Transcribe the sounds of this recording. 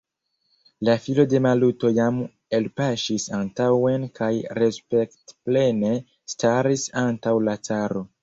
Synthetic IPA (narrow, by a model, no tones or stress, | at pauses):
lafilo̞de̞maluto̞jam | e̞lpaʃisantawe̞nkʰajɾe̞spe̞ktple̞ne̞ | staɾisantawlat͡saɾo̞